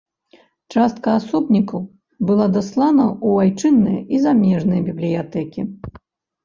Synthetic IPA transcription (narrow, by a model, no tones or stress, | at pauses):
t͡ʂast̪̚kɐasɔbnʲikɐw | bɨlˠad̪aslˠanɐʔuvajt͡ʂɨnːɐjizamʲɛʐnɐjbʲiblʲijat̪ɛkʲi